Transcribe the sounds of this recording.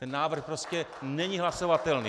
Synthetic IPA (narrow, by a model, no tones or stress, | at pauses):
ɛnːaːvr̩xpɾoscɛnɛɲiɦlasovat̪ɛlnḭː